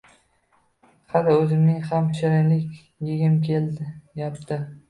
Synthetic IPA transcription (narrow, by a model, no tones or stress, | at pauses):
hɑlɪɵzɪmnɪŋhamʰɪʃaɾɪjlɪkʲ | jeɡʲɪmkʲʰeljapt̪ʰɪ